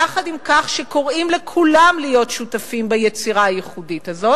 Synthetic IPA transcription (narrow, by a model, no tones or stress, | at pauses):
aχadimkaχʃeko̞ʁimle̞kʰulamlijo̞tʃutafimbajet͡siʁaːjeχuditazo̞